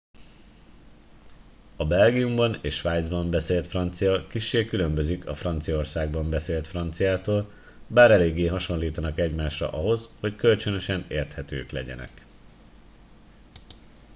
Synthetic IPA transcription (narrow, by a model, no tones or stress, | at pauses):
ɒbɛlɡijumbɒneːʃːʋaːjd̪zbɒmbɛseːlt̪frɒnt̪sijɒkiʃːeːkylø̞mbøzikɒfrɒnt̪sijɒorsaːɡbɒmbɛseːlt̪frɒnt̪sijaːt̪oːl | baːɾɛleːɡːeːɦɒʃo̞nliːt̪ɒnɒkɛɟmaːʃrɒ̰ʔɒɦo̞sho̞ckø̞lt͡ʃønø̞ʃɛneːrt̪hɛt̪ø̰ːklɛ̰ɟɛ̰nɛ̰k